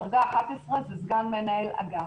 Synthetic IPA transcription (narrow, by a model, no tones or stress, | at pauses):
ʁɡaːχat̪esʁezezɡanmenaela̰ɡa